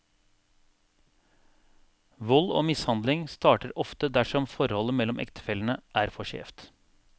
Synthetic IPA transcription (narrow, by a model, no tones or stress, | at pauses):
ʋɔlo̰ːmɪshɑnd̪lɪŋst̪ɑːʈəɾɔft̪əd̪æʂɔmfɔɾhɔləmɛlːɔmʔɛ̰kt̪ʰə̥fɛlənəʔæːɾfɔʃḛːft̪